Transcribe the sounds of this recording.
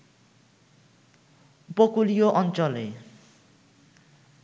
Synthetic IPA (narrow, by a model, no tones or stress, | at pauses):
pokulijoʔʌnt͡sʌle